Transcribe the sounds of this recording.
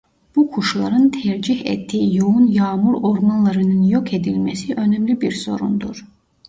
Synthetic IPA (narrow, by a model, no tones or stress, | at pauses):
b̥ukʰuʃlˠɑ̰ɾɯnt̪ʰæɾd͡ʒihḛt̪ːiijounjɑːmuɾo̞ɾmɑnlˠɑɾɯnɯnjokʰe̞d̪ilmæsiʔø̞næmlibiɾso̞ɾṵnd̪uɾ